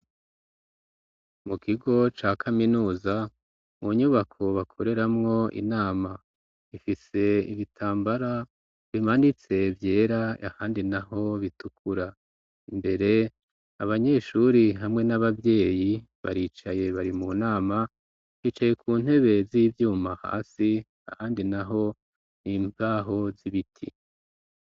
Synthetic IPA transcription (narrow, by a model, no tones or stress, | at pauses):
mukʰiɡo̞t͡ʃaːkʰaminuːza | muɲuβakʰo̞βakʰoɾe̞ɾamŋo̞ḭnaːma | ifise̞ḭβitʰaːmbaɾa | βimanit͡se̞vje̞ːɾaahaːndinaɦo̞βitukʰuɾa | imbe̞ɾe̞ | aβaɲe̞ʃuɾiɦamŋe̞naβavje̞ːji | βa̰ɾiːt͡ʃaje̞βaɾimunaːma | hiːt͡ʃaje̞kʰuːn̥he̞βe̞ziːvjuːmaha̰ːsi | ahaːndinaɦo̞ | niːmpaːɦo̞ziβitʰḭ